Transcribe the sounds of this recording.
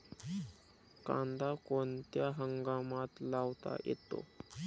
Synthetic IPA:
kãnd̪akont̪jaɦəŋɡamat̪laʋt̪a̰jḛt̪o̰

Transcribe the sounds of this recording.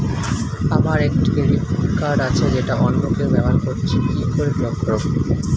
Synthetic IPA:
amaɾekʈibeɾikaɾat͡ɕʰed͡ʑeʈaʔɔnmokeobɛbʱaɾkoɾt͡ɕʰinikʰoɾebɾɔkʰːɾo

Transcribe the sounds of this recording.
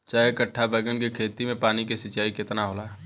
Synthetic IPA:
t͡ʃaːɦekəʈʰːabɛːɡənkikʰeːt̪imẽpaːnikesɪt͡ʃaːikɪt̪naɦoːlaː

